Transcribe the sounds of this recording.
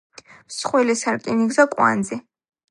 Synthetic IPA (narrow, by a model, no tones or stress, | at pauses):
msχwɛlisaɾkʼiniɡzakʼwa̰nd̪zɛ